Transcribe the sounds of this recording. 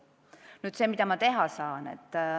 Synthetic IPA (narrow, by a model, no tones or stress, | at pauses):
nyːd̪̥se̞ːmid̪̥ɑmɑt̪e̞ɦɑsɑːnḛt̪ːˑ